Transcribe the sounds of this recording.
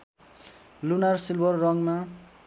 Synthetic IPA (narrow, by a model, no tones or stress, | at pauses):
lunarsilbʌrːʌŋma